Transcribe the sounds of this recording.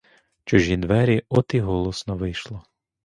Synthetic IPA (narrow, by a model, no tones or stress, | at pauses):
t͡ʃɔʒʲinʋɛɾʲiɔt̪iɦɔlˠɔsnɔʋɪjʃlˠɔ